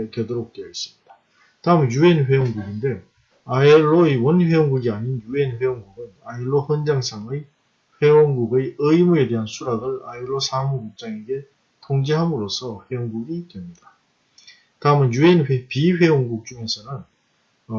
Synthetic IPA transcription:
twe̞doɾok̚t͈wejʌis͈ɯ̥mɲid̥a | taɯmɯnjue̞nɸe̞joŋɡuɡinde̞ | aeɭːoewʌnɸe̞joŋɡuɡiaɲinjuenɸe̞oŋɡuɡɯnaiɭːohɯnd͡ʑaŋsʰaŋɯj | ɸe̞oŋɡuɡɯjɯimue̞de̞ɦansʰuɾaɡɯɭaiɭːosʰamuɡuk̚t͡ɕ͈aŋeɡe̞ | tʰoŋd͡ʑiɦamɯɾosʰʌɸe̞oŋɡuɡitwe̞mɲid̥a | taɯmɯnjue̞nɸepiɸe̞oŋɡuk̚t͡ɕ͈uŋe̞sʰʌnɯn

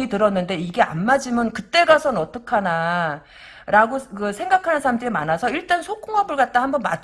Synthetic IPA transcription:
itɯɾʌnːɯnde̞iɡe̞a̰nmad͡ʑimjʌnkɯt͈e̞ɡasʰʌnʌt͈ʌkʰana | ɾaɡokɯsʰe̞ŋɡakʰanɯnsʰaɾamdɯɾimanasʰʌiɭt͈ansʰokʰoŋɦʌbɯɭɡat̚t͈ahambʌnma̰

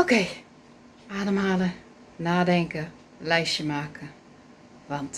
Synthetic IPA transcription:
okej | aːdəmaːlə | naːdɛŋkə | lɛjsəmaːkʰə | ʋɑnt

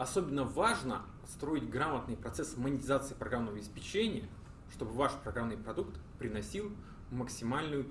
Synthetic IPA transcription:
ɐso̞bʲɪnːəvaʐnə̰ | st̪ɾo̞ɪtʲɡɾamət̪nɨjpɾɐt̪sɛsmənʲɪtʲɪzat̪sɨipɾɐɡɾamnəvəbʲɪspʲɪt͡ɕenʲɪjə | ʂt̪o̞bɨvaʂpɾɐɡɾamnɨjpɾɐd̪ukt̪pɾʲɪnɐsʲilˠ | məksʲɪmalʲnʊjʊ

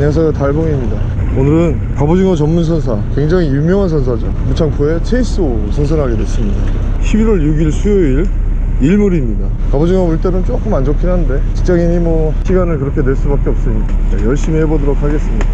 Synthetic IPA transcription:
nes̬ʰʌɡataɭbʌŋimɲida | onɯɾɯn | kabod͡ʑiŋʌt͡ɕʌmmunsʰʌnsʰakwe̞ŋd͡ʑaŋijumjʌŋɦansʰʌnsʰad͡ʑamut͡ɕʰaŋpʰue̞t͡ɕʰeis͈ɯo | sʰʌns̬ʰʌnɦaɡe̞dwe̞s͈ɯmɲida̰ | ɕʰibiɾwoɭjuɡiɭsʰujoiɭ | iɭmuɾimɲida | kabod͡ʑiŋʌbuɭt͈e̞nɯnt͡ɕ͈ok͈ɯmand͡ʑʌkʰinɦannde̞t͡ɕi̥t͡ɕ͈aɡiɲimwʌ | ɕʰiɡanɯɭkɯɾʌkʰe̞de̞ɭs͈ubak͈e̞ʌp̚s͈ɯmɲidat͡ɕajʌɭɕ͈imihe̞bodʌɾokʰaɡe̞s͈ɯmɲida

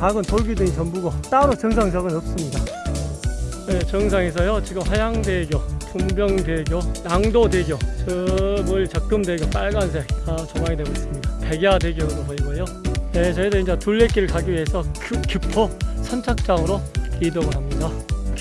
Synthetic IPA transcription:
paɡɯntoɭɡidɯŋit͡ɕʌmbuɡʌt͈aɾot͡ɕʌŋsʰaŋsʰʌɡɯnʌp̚s͈ɯmɲida | jet͡ɕʌŋs̬ʰaŋes̬ʰʌjot͡ɕiɡɯmɸajaŋdeɡjopʰumbjʌŋdeɡjonaŋdodwe̞ɡjot͡ɕɯmɯɭt͡ɕʌk̚k͈ɯmde̞ɡjop͈aɭɡansʰe̞at͡ɕʌŋaŋidwe̞ɡois͈ɯmɲidape̞ɡeadwe̞ɡjoɡɯɾobʌiɡʌjo | jet͡ɕʌidoint͡ɕ͈etuɭːek͈iɾɯɭkaɡiɥie̞sʰʌkukupʰːʌsʰʌnt͡ɕʰak̚t͡ɕ͈aŋɯɾoidʌɡɯɭɦamɲida

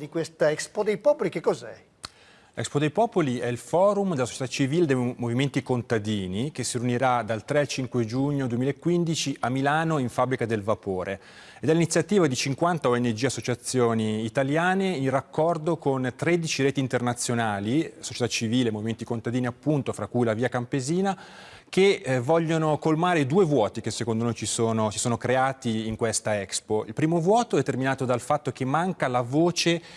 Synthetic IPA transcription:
d̪ikwest̪ɛkspod̪ejpɔːpolikekːɔzɛ | lɛkspod̪ejpɔpoliɛilfɔːɾumd̪elaso̥t͡ʃe̥t̪at͡ʃːiviːled̪emoviment̪ikont̪ad̪iːnikesiɾiuniɾad̪alt̪ɾealt͡ʃiŋkwed͡ʒuɲːod̪uemilaekːwind̪it͡ʃiʔamːilaːnoiɱfabːɾikad̪elvapoːɾʔeː | d̪ɛlːinit̪sːjat̪iːvad̪it͡ʃiŋkwant̪aoɛnːed͡ʒiasːot͡ʃat̪sːjoːniːt̪aljaːneinrakːɔrd̪okont̪ɾed̪it͡ʃiɾeːt̪int̪ernat̪sːjonaːlisot͡ʃe̥t̪at͡ʃːiviːlemoviment̪ikont̪ad̪iːniapːunt̪ofɾakːujlaviːakampeziːna | kevːɔʎːonokolmaːɾed̪uːevwɔːt̪ikesːekond̪onojt͡ʃisoːnot͡ʃi̥soːnokɾeaːt̪iːŋkwest̪aɛkspoilpɾiːmovwɔːt̪oɛt̪ːerminaːt̪od̪alfat̪ːok̟emːaŋkalavoːt͡ʃe

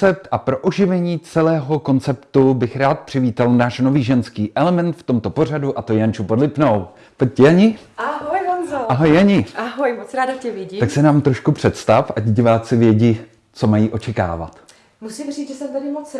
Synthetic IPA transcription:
ɛp̚t̪apɾo̞ʔoʒɪvɛɲiːt͡sɛlɛːɦo̞ko̞nt͡sɛpt̪ubɪxɾaːt̪̚pr̝̥ɪviːt̪alnaːʃno̞viːʒɛnskiːʔɛlɛmɛnt̪ft̪o̞mt̪o̞po̞r̝aduʔat̪ojant͡ʃupodlɪpno̞w | poc̚cɛaɲɪ | aɦojvonzoaɦo̞jaɲɪʔaɦojmot͡sɾaːdacɛvɪɟiaksɛnaːmt̪ɾo̞ʃkupr̝̥ɛt̪st̪afʔacɟɪvaːt͡sɪvjɛɟi | t͡so̞majiːʔo̞t͡ʃɛka̰ːva̰t̪ | musimriːt͡sʒɛsɛmt̪adɪmot͡s

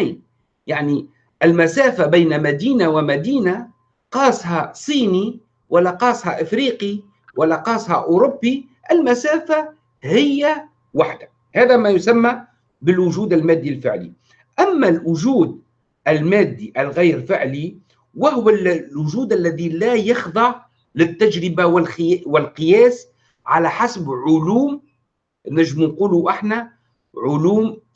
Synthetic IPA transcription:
jaʕni | ʔɪlmasaːfabejnamad̪iːnawamad̪iːna | qɑːshasˤiːni | walːaqɑːshaʔɪfɾiːqi | wʔalːaqɑːshɑ̰ʔoɾʊbːi | ʔɪlmasaːfa | hɪjːa | waħd̪ḁ | hæːðamæjʊsamːa | bɪlwʊʒuːd̪ɪlmæːd̪ːilfɪʕlḭ | ʔamːælwʊʒuːd̪̚ | ʔɪlmæːd̪ːiʔɪlɣajɾfɪʕli | waɦʊwalwʊʒuːd̪ʔælːæðilæjɑxðˤɑʕ | lɪt̪ːaʒɾɪbawɪlwɪlqɨjæːs | ʕalæħasbʕʊluːm | nɪʒːɪmunquːluʔɪħnæ | ʕʊluːm

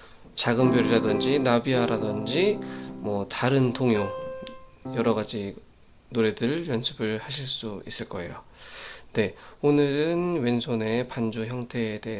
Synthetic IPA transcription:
t͡ɕaɡɯmbjʌɾiɾadʌnd͡ʑinabiaɾadʌnd͡ʑimwʌtaɾɯntoŋjo | jʌɾʌɡad͡ʑi | noɾe̞dɯɭjʌnsʰɯbɯɭhaɕʰiɭs͈uis͈ɯɭk͈ʌḛjo | ne̞onɯɾɯnwe̞nsʰone̞pand͡ʑuçjʌŋtʰe̞de̞

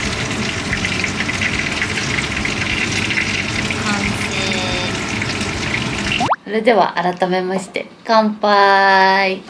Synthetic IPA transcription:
kʰãnte | soɾe̞d̪e̞βa̰ʔaɾat̪ame̞maɕi̥t̪e̞̰ | kãmpa | i

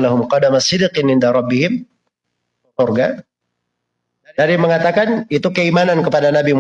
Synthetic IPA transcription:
laɦʊmqɑdamasɪdqimɪndaɾɑbːɪhɪm | ɔrɡa | daɾiməŋat̪akanit̪ukəimanankəpadanabim

